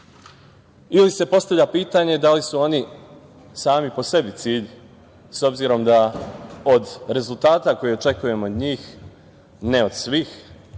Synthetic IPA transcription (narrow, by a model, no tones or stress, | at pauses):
ilise̞po̞st̪avʎʲapiːt̪aɲe̞d̪alisuo̞ni | saːmipo̞se̞bit̪siːʎ | so̞bziɾo̞md̪aod̪ɾe̞zulˠt̪aːt̪ako̞jio̞t͡ʃe̞kuje̞mood̪ɲiːx | neo̞d̪̥sʋiːx